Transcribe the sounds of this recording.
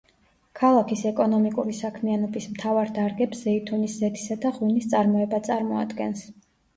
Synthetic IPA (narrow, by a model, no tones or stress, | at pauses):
kʰalˠakʰisɛkʼɔnɔmikʼuɾisakʰmianɔbismt̪ʰavaɾd̪aɾɡɛpsz̥ɛit̪ʰuniszɛt̪ʰi̥sad̪aʁwinist̪sʼaɾmɔɛbat̪sʼaɾmɔa̰d̪ɡɛns